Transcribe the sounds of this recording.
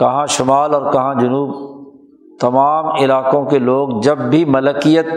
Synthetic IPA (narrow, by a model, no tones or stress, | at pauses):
kɐɦãʃʊmaːlɔːɾkɐɦãd͡ʒʊnuːb | t̪ɐmaːmɪlaːkõkeloːɡd͡ʒɐbːʱimɐləkijət̪̚